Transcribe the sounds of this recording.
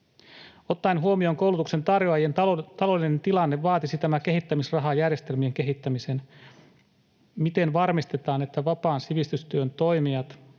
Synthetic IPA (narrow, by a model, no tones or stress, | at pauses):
o̞t̪ːɑinɦuomio̞ːŋko̞wlut̪ukse̞nt̪ɑrjoɑjent̪ɑlo̞lːˑine̞nt̪ilɑnːeʋʋɑːt̪isit̪æmæke̞ɦit̪ːæmisrɑɦɑjærje̞st̪e̞lmie̞ŋke̞ɦit̪ːæmise̞n | mit̪e̞nʋɑrmist̪e̞t̪ɑːnet̪ːæʋɑpɑːnsiʋist̪yst̪yønt̪o̞jmiɑt̪